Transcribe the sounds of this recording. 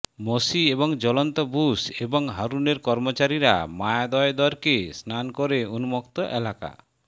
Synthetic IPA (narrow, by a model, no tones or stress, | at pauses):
mosiebɔŋd͡ʒɔlɔnt̪ɔbusebɔŋɦaɾuneɾkɔɾmot͡ʃaɾiɾa̰majad̪ɔjd̪ɔɾkesnankoɾeunumɔkt̪ɔʔelaka̰